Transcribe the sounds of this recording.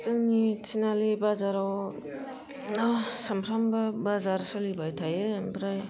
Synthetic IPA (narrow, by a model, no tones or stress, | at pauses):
tɯŋnitʰinalibazaɾaw | nasampʰɾambɐbazaɾsɯlibajtʰajɯbɾaj